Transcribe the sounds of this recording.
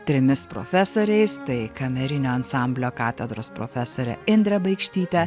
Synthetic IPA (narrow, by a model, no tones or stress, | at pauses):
t̪ʲɾʲɪmʲɪspɾo̰ːfʲæsoːɾʲɛɪst̪ɐɪkɐmʲɛɾʲɪnʲoːɐnsɑˑmʲbʲlʲoːkɑːt̪ʲɛd̪ɾoːspɾo̰ːfʲæsoːɾʲɛ̰ɪnʲd̪ʲɾʲɛbɐɪkʃʲt̪ʲiːt̪ʲɛ